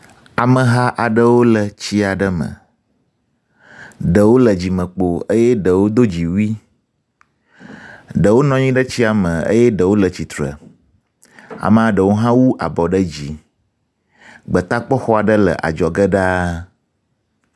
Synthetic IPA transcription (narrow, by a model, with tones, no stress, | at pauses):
a˨mə̃˨ɦa˦ʔa˨ɖə˦wo˦lə˨t͡ɕi˦a˨ɖə˦mə̰̃˨ | ɖə˨wo˦lə˨d͡ʑi˨mə̃˨k͡po˨ə˦jɛ˦ɖə˨wo˦d̪o˦d͡ʑi˨wu˦i˦ | ɖə˨wo˦nɔ̃˨˦ɲĩ˦ɖə˦t͡ɕi˦a˨mə̃˨ə̰˦jɛ˦ɖə˨wo˦lə˨t͡ɕi˨t̪ɾə̰˨ | a̰˨mə̃˦a˨ɖə˨wo˦ɦã˦wu˦ʔa̰˨bɔ˨ɖə˦d͡ʑi˨ | ɡ͡bə˨t̪a˦k͡pɔ˦xɔ˦a˨ɖə˦lə̰˨ʔa̰˨d͡ʒɔ˨ɡə˦ɖa˦